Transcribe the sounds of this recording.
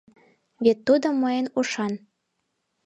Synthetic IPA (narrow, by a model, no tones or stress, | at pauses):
βʲet̪ːud̪ŏmɤjənuʃɑn